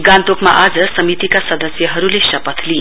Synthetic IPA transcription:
ɡãnt̪okma̰ʔad͡zʌsʌmit̪ikasʌd̪ʌsjʌɦʌɾulesʌpʌt̪ʰli

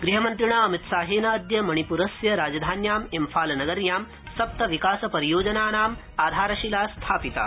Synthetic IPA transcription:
ɡɾiɦɐmɐnt̪ɾiɳ̃aːəmit̪saːɦeːnaːd̪jɐmɐɽ̃ipuɾɐsjɐɾaːd͡ʒɐd̪ʱaːnjaːmemfaːlnɐɡəɾjaːm | sɐp̚t̪ɐʋikaːsɐpɐɾijoːd͡ʑɐnaːnaːm | aːd̪ʱaːɾɐɕilast̪ʰaːpit̪a̰ː

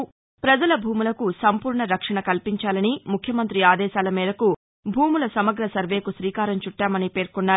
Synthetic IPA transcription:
pɾɐd͡ʒɐlɐbʱuːmulɐkusɐmpuːɾɳɐɾɐkʂɐɳɐkɐlpiɲt͡ʃaːlɐnimukʰjɐmɐnt̪ɾiaːd̪ɛːʃaːlɐmiːd̪ɐku | bʱuːmulɐsɐmɐɡɾɐsɐɾʋe̞ːkusɾiːkaːɾɐmt͡ʃuʈːaːmɐnipe̞ːɾkunːaː

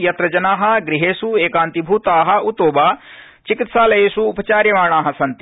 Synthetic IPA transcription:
jɐt̪ɾɐd͡ʒɐnaːɦɐ̆ɡɾiɦeːsueːkaːnt̪ibʱuːt̪aːɦɐ̆ut̪oːbaː | t͡ʃikit̪saːlɐjeːsuːpɐt͡ʃaːɾjɐmaːɳaːɦɐsɐnt̪i

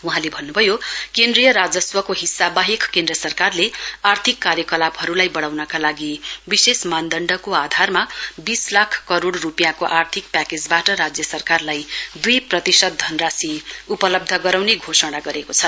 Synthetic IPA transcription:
uɦãlebʱʌnːubʱʌjokend̪rijʌɾad͡zʌswʌkoɦisːabaɦekkẽnd̪rʌsʌrkarleart̪ʰikːaɾjʌkʌlabhʌɾulajbʌɽawnʌkalaɡibisesmand̪ʌɳɖʌkoad̪ʱarmabislakʰkʌɾoɽrupjakoʔart̪ʰik̚paked͡zbaʈʌɾad͡zjʌsʌrkarlajd̪ujprʌt̪isʌd̪̚d̪ʱʌnrasiupʌlʌb̚d̪ʱʌɡʌɾawneɡʱosʌɽ̃aɡʌɾekot͡sʰʌ

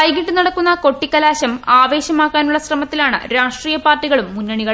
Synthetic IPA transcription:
ɐjɡiɖɨnɐɽɐkːun̪ːɐko̞ʈːikːɐlaːɕɐmaːʋe̞ːɕɐmaːkːaːnuɭːɐsrɐmɐt̪ːilaːɳɨ̰ɾaːʂʈriːjɐpaːrtːiɣɐɭumːunːɐɳiɣɐɭ

